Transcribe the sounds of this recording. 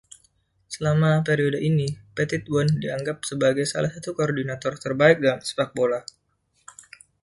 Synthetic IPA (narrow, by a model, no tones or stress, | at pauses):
səlamapeɾiodəʔinipet̪it̪̚bɔndiaŋɡap̚səbaɡajsa̰lasat̪ukoːrdinat̪ɔrt̪ərbaɪk̚dalamsə̥pak̚bola